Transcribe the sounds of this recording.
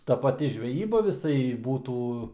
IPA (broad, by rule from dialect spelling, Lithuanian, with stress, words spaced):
ˈtɐ pɐˈtʲɪ ʒʲʋʲɛˈjiːbɐ ʋʲɪˈsɐɪ ˈbuːtuː